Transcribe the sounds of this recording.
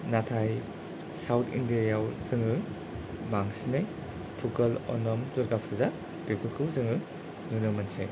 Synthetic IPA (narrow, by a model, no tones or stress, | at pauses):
natʰaj | sawtʰḭndiajawsɯŋɯ | maŋsinaj | pʰukɐlɔ̰nɔmtuɾɡapʰɯza | b̥epʰɯkʰɯwzɯŋɯ | nunɯmɐnsḛj